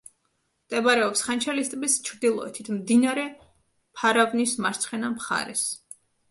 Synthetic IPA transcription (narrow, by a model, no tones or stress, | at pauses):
t̪ʼɛbaɾɛɔpsχant͡ʃʰalist̪ʼbist͡ʃʰɾd̪ilˠɔ̰ɛ̰t̪ʰit̪ʰmd̪inaɾɛ | pʰaɾavnismaɾt̪sʰχɛnamχa̰ɾɛ̰s